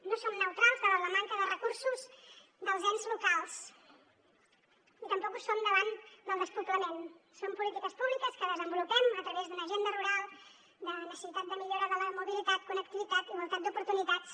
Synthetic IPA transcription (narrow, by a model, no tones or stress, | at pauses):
nosomnəwt̪ɾalˠzðəβaləmaŋkəðərəkuɾsuz | ðəlˠzɛnzlukalˠs | it̪əmpɔkusomd̪əβand̪əlˠd̪əspuplənɛnsompulit̪ikəspuβlikəskəðəzəmbulupɛmət̪ɾəβezðunəʒend̪əruɾalˠ | d̪ənəsəsit̪at̪d̪əmiʎoɾaðəlaɾmuβilit̪at̪̚kunək̚t̪iβit̪at̪iβulˠt̪at̪̚d̪upuɾt̪unit̪at͡s